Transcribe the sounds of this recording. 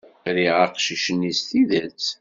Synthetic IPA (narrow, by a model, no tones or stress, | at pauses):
ɾiʁaqʃiʃənːisθiðæt͡s